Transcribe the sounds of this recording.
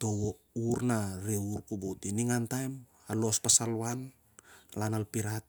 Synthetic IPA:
to̞wo | uɾnaɾeuɾkubotiniŋantajm | alo̞spasalan | lanalpiɾat̚

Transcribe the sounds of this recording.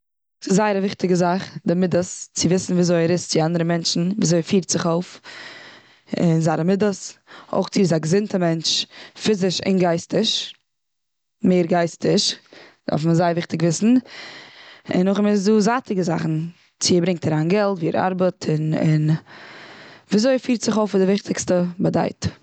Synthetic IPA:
sɪzaɪəɾavɪχtɪɡəzaχdɪmɪdəst͡sɪvɪsn̩viːzoɪɾɪst͡sɪandəɾəmɛnt͡ʃn̩viːzoɪfiːɾtz̥ɪχoʊf | ɪnzaːɾəmɪdəso̰ʊχt͡sɪzaɡzɪntəmɛnt͡ʃfɪzɪʃɪ̰nɡaɪstɪʃ | meɪɾɡaɪstɪʃd̥a̰ɾfməzaɪvɪχtɪɡvɪsn̩ | ɪ̰nʊχɪmɪzduːzatɪɡəza̰χn̩ | t͡sɪbɾɪŋk̚taɾaːnɡɛlˠtviːɾa̰ɾbətʰɪnɪ̰n | viːzoɪfiːɾtz̥ɪχoʊfɪdɪvɪχtʰɪkstəbada̰ɪt

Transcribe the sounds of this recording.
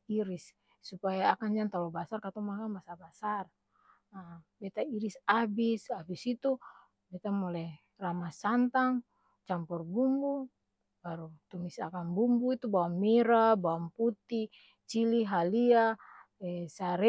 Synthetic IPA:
iɾisː | upajaːkand͡ʒant̪alɔbasarkat̪ɔmakambasabasar | abɛt̪aiɾisabisabisit̪u | bɛt̪amɔlɛ | ramasant̪aŋ | t͡ʃampɔrbumbu | baɾut̪umisa̰kanbumbuit̪ubaamːiɾabawamput̪i | t͡ʃiliɦalia | ɛsaɾɛ

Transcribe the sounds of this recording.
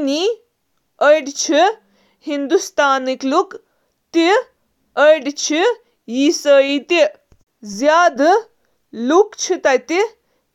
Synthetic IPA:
ni | əjɖt͡ʃʰi | hind̪ust̪aːnikluk | t̪i | əjɖt͡ʃʰi | jisəːit̪i | zjaːd̪ | lukt͡ʃʰit̪at̪i

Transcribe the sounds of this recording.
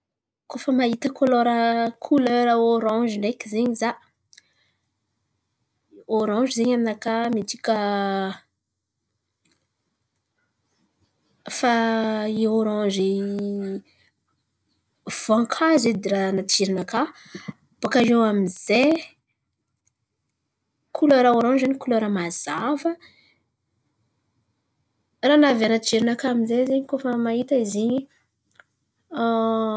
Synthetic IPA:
kofəmaɦit̪əkʰoloɾəkʰuløɾəoɾɔ̃ʒilekizeɲizaʔ | oɾɔ̃ʒizeɲamnakamit̪ikə | faioɾɔ̃ʒi | v̥aŋkʰazed̪eɾanat͡ʃiɾinaka | b̥akaʒewamize | kʰuloɾaoɾɔ̃nd͡ʒanikuloɾamaz̥avə | ranavianat͡ʃiɾinakaːminzezeɲikofamait̪aiziɲi

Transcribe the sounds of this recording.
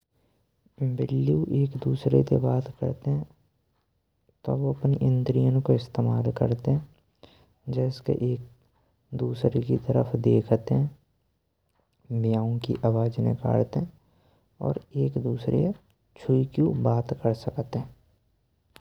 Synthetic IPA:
bɪlːiuʔeːkd̪uːsɾḛt̪ebaːt̪kə̰ɾt̪eɦɛ̃ | t̪o̰ʋoɐpneʔɪ̃nt̪ɾijənkoɪst̪eːmaːlkə̰ɾt̪eɦɛ̃ | d͡ʒɛːskḛʔeːk̚ | d̪uːsɾekit̪əɾəfʰd̪eːkʰt̪ɦɛ̃ | bijaːõkḭʔaʋaːd͡ʒnɪ̰ka̰ːɽt̪eɦɛ̃ | ɔ̰ːɾeːkd̪uːsɾḛ | t͡ʃʰʊikjũbaːt̪kəɾsəkt̪eɦɛ̃ː

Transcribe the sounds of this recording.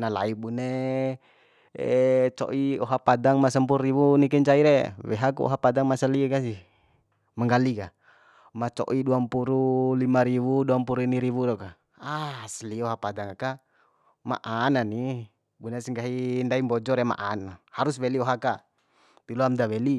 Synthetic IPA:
nala̰ibune | t͡ʃɔ̰ʔiɔɦapadaŋmasəmpuɾriβunikɛɲt͡ʃaiɾɛwɛ̰ɦakuɔ̰ɦapadaŋmasəlikasi | maŋɡalika | mat͡ʃɔ̰ʔiduampuɾulimaɾiβuduampuɾuiniɾiβudɔka | asəliɔɦapadaŋaka | ma̰ʔanani | bunesiŋɡaɦindaimbɔd͡ʒɔɾɛma̰ʔanhaɾuswɛliɔɦaka | t̪ilɔamdawɛli

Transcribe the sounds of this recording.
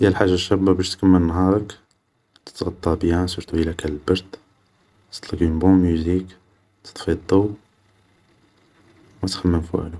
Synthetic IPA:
jælħaʒːaʃæbæbæʃt̪kæmːəlnɦɑɾˤɑk | t̪ə̥t̪ɣɑt̪ˤːɑbjæsuɾt̪uilækæləlbɑɾd̪ | t̪ə̥t̪ˤləɡinbũmuzik | t̪ʰə̥t̪ˤfid̪ˤuw | mæt̪xæmːənfṵʕlu

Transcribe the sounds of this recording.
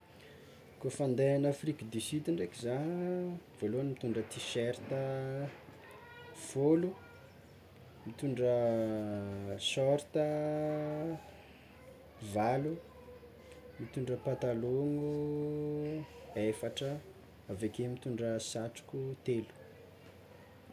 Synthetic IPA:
kufand̪eanafrikd̪isid̪iɳɖ͡ʐekiza | v̥oloanimit̪uɳɖ͡ʐət̪iʃɛɾt̪ə | folu | mit̪uɳɖ͡ʐə | sɔɾt̪ə | valu | mit̪uɳɖ͡ʐəpat̪aloŋu | efaʈ͡ʂə | avekemit̪uɳɖ͡ʐəsaʈ͡ʂu̥kʲut̪elu̥

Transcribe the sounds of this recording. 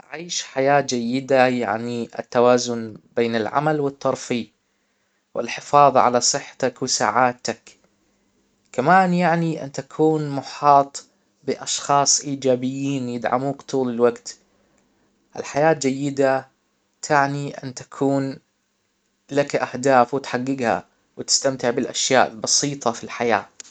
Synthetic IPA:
ʕiːʃħajaːd͡ʒajːɪd̪aja̰ʕniʔɪ̰t̪ːawaːzʊnbeːnɪlʕa̰malwɪt̪ˤːɑɾˤfi | wɪ̰lħɪfɑːðˤʕa̰lasˤɨħːḁt̪akwɪsa̰ːʕaːt̪ak | kamaːnjaʕniʔɪ̰nt̪akʰuːnmʊħɑːt̪ˤ | bɪʔɑʃxɑːsˤʔiːd͡ʒaːbɪjːiːnjɪd̪ʕa̰muːkt̪ˤʰuːlɪlwaɡt̪ | ʔɪlħajaːt̪̚d͡ʒajːɪd̪a | t̪ʰaʕniʔɪ̰nt̪ḁkʰuːn | lakʔahd̪aːfwɪt̪ħaɡːɪɡha̰ | wt̪ɪ̥st̪amt̪ɪʕbɪlʔa̰ʃjaːʔɪlbɑsiːt̪ˤɑfilħajaː

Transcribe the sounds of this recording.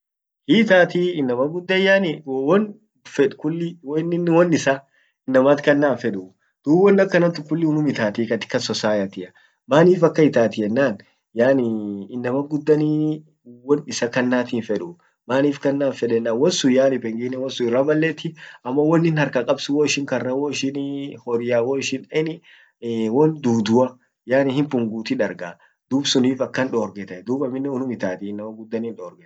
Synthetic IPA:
hiːt̪aːt̪iːɪnːɐmɐɡʊd̪ːɐjaːnɪwwɔn | fɛᶑkʊlːɪwɔɪnːɪnːwɔnːɪsɐ | ɪnːɐmat̪kɐnːaːnfɛᶑʊ | d̪̥uːbɔnːɐkːɐnɐt̪ːʊkʊlːɪʊnʊmɪt̪aːt̪iːkɐt̪ɪ̥kːɐsɔsaːjɐt̪ɪʔɐ | maːniːfɐkːɐɪt̪aːt̪ɪɛnːaːn | jaːnɪɪnːɐmɐɡʊd̪ːɐni | wɔnɪsɐkɐnːaːt̪iːnfɛᶑʊ | maːniːfkɐnːaːnfɛᶑɛnːaːwɔnsʊjaːnɪpɛŋɡɪnːɛwɔnsʊɪrːamɐlːeːt̪ːɪɐmːɐwɔnːɪnhɐɾkɐkʼɐbsʊwɔːɪʃɪŋkɐrːɐwɔːɪʃɪnhɔɾjaːwɔːɪʃɪnɐɪnɪ | wɔnd̪uːd̪ʊɐ | jaːnɪhɪmpʊŋɡuːt̪ɪᶑɐɾɡa | d̪̥uːbsʊniːfɐkːɐnᶑoːɾɡɛt̪ɐd̪uːbɐmɪnːɛʊnʊmɪt̪aːt̪ɪɪnːɐmɐɡʊd̪ːɐniːnᶑɔːɾɡɛt̪

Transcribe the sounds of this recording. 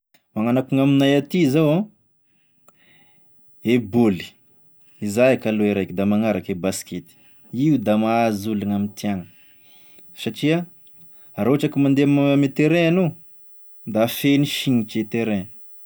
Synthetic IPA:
maŋanakuŋaminajat̪izawã | eboli̥ | izajakaloeɾajkid̪amaŋaɾakebasket̪i̥ | iud̪amaːzuluŋamint̪iaŋə | saʈ͡ʂia | aɾoʈ͡ʂakimand̪eamaamet̪eɾeano | d̪afeniʃiɲit͡ʃet̪eɾe

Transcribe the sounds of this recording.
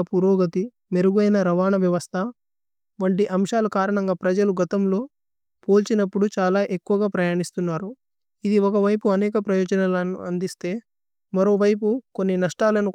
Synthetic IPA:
ɐpuɾoːɡɐt̪i | me̞ɾuɡɐjnɐɾɐʋaːɳɐʋjɐʋɐst̪ʰɐ | ʋɐɳʈiʔɐmʂaːlukaːɾɐɳɐŋɡaːpɾɐd͡ʒɐluɡɐt̪ɐmlo̞ː | poːlt͡ʃinɐpːuɽut͡ʃaːlaːʔe̞kːuʋɐɡaːpɾɐjaːɳist̪unːaːɾu | id̪iɔkɐʋɐjpuɐnɛːkɐpɾɐjɔːd͡ʒɐnɐlnṵɐnd̪ist̪e̞ː | mɐɾo̞ːʋɐjp̬uko̞nːinɐʂʈaːlɐnu

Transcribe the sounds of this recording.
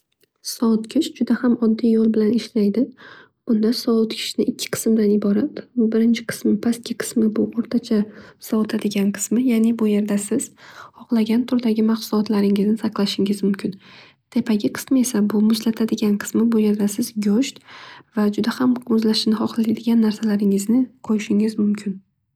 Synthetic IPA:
sɒt̪kʲʰɪʃd͡ʒʊd̪ahamɒd̪ːijjɒlˠbɪlanɪʃlajd̪ɪ | b̥ʊnd̪asɒʊt̪kʲʰɪ̥ʃnɪɪkʲʰːɪ̥qʰɨ̥smd̪anɪbɒɾat̪bɪɾɪnt͡ʃʰɪ̥qʰɨ̥smɪpʰaskʲɪqʰɨ̥smɪbʊʔoɾt̪ʰat͡ʃʰasɒʊt̪ʰad̪ɪɡʲanqʰɨ̥smɪjaːnɪbʊje̞ɾd̪asɪz̥hɒqlˠaɡʲant̪ʰʊɾd̪aɡʲɪmaqsʊlɒt̪laɾɪŋɪznɪsʰaqlˠaʃɪŋɪzmʊmkʲʰɪn | t̪ʰe̞pʰaɡʲɪqʰɨ̥smɪe̞sabʊmʊzlat̪ʰad̪ɪɡʲanqʰɨ̥smɪbʊje̞ɾd̪asɪzɡʲoʃt̪vad͡ʒʊd̪ahamʊzlaʃɪnɪhɒqlˠaad̪ɪɡʲanːaɾsalaɾɪŋɪznɪqʰojɪʃɪŋɪzmʊmkʲʰɪn

